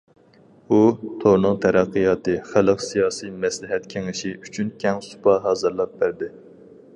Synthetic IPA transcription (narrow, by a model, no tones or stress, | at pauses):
ut̪ʰoɾnɨŋt̪ʰɛɾæqːɨjɑːt̪ɨχælˠɨqsijɑːsijmɛslɪɦɛt̪kʲʰeŋɪʃiyt͡ʃʰynkʲʰɛŋsu̥pɑɦɑːzɨɾlˠɑp̚bæɾd̪ɪ